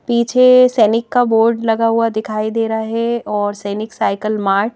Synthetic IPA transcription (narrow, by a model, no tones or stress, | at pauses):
piːt͡ʃʰesɛːnɪkːaboːɾɖlɐɡaɦʊad̪ɪkʰaːid̪eːɾaɦɛɔːɾsɛːnɪksaːɪkəlmaːɾʈ